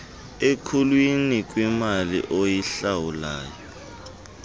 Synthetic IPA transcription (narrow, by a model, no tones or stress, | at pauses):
ekʰulwinik̬ʼwimalḭʔojiɬawulaːjɔ